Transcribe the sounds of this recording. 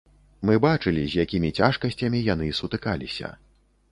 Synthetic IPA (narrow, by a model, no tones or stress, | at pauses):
mɨbat͡ʂɨlʲizʲjakʲimʲit͡sʲaʂkɐsʲt͡sʲɐmʲijan̪ɨsut̪ɨkalʲisʲɐ̰